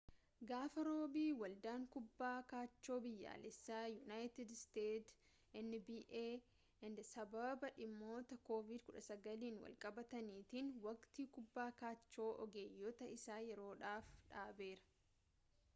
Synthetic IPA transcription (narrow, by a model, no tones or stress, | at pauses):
ɡaːfɐɾo̞ːbiːwɐld̪aːŋkʊbːaːkaːt͡ʃːo̞ːbɪjːa̰ːlɛsːaːjʊnaːjt̪ɪd̪st̪eːt̪ | ɛnːɪbiːʔeː | ɛnd̪ɐsɐbɐbɐᶑɪmːo̞ːt̪ɐkoːvɪd̪kʊᶑɐsɐɡɐliːnwɐ̰lkʼɐbɐt̪ɐniːt̪inwɐkt̪iːkʊbːaːkaːt͡ʃːo̞ːʔɔ̰ɡeːjːɔt̪ɐɪsaːjɛɾo̞ːᶑaːfᶑaːbe̞ːɾɐ̥